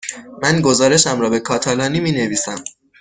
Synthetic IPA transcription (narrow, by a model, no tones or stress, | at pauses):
mænɡo̞zɒːɾe̞ʃæmɾɒːbe̞kʰɒːt̪ʰælɒːniːmiːne̞viːsæm